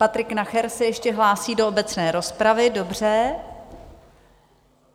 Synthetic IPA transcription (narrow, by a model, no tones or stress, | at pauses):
pat̪ɾɪknaxɛɾsɛjɛʃcɛɦlaːsiːdo̞obɛt͡snɛːɾo̞spɾavɪdo̞br̝ɛ